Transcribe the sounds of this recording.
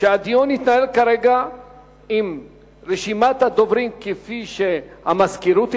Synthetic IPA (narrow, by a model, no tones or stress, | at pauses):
ʃad̪ionit̪naelkaɾeɡa | im | ɾiʃimat̪ad̪ovɾiŋkifiʃeamaskiɾut̪